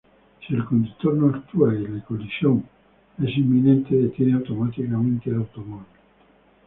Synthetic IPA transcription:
sielkond̪ut̪ːoɾnoakt̪wallekolisjoŋ | ɛsimːinɛ̃nt̪eet̪jeneawt̪omat̪ikamẽnt̪elawt̪omabil

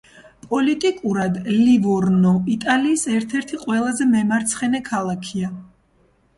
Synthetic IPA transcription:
pʼɔlit̪ʼikʼuɾad̪livɔɾnɔit̪ʼaliːsɛɾt̪ʰɛɾt̪ʰiqʼwɛlˠazɛmɛmaɾt̪sʰχɛnɛkʰalˠakʰia

